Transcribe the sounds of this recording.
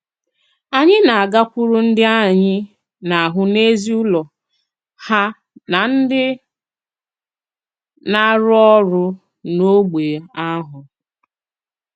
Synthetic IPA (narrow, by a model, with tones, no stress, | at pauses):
a˨ɲɪ˦na˨a˨ɡa˦kʷʊ˦ɾʊ˦n̩˦dɪ˦a˦˨ɲɪ˦ | na˨a˨ɦʊ˦ne˦zi˦ʊ˦lɔ˨ | ha˦ | na˨n̩˦dɪ˦ | na˦ɾʊ˦ɔ˦ɾʊ˦ | no˦ɡ͡beː˨a˦ɦʊ˨